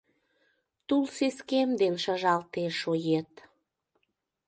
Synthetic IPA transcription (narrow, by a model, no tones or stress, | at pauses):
t̪ulseskemd̪enʃəʒɑlt̪eʃojet̪